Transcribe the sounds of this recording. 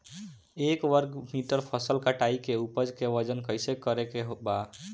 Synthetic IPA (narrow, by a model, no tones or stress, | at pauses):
ekʋəɾɡmiʈəɾpʰəsəlkəʈaikeupəd͡ʒkeʋəd͡ʒənkəɪsekəɾekeɦoba